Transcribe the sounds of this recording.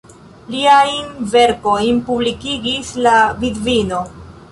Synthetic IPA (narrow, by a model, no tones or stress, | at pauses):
liajnve̞ɾko̞jnpublikiɡislavidvino̞